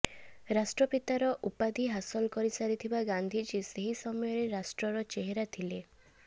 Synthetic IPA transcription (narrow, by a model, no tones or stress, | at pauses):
ɾasʈɾɔpit̪aɾɔʔupad̪ʱiɦasɔlɔkɔɾisaɾit̪ʰibaɡãnd̪ʱid͡ʒiseɦisɔmɔjɔɾeɾasʈɾɔɾɔt͡ʃeɦeɾat̪ʰile